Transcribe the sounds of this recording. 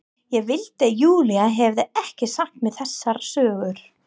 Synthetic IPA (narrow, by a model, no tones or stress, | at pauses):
jɛɣvɪlt̪ɪjuːliaɦɛvðɪɛhcɪsaht̪mɛðθɛsːaɾ̥sœːɣʏɾ̥